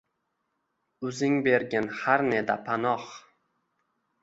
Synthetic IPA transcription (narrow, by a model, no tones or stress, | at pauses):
ʊzɪŋbeɾɡʲanhaɾned̪a̰pʰanɒχ